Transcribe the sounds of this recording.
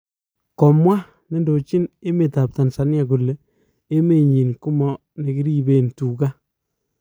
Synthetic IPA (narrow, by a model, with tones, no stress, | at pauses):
kɔ˨mwa˦ | ne˦ndo˨t͡ʃi˦ne˦me˨ta˨p̚ta˨nsa˨˦nja˨ku˨lːe˨ | e˦me˨ɲi˨nku˦mɔ˦ | ne˨kɪ˦ɾi˦be˨ntuː˨ka˦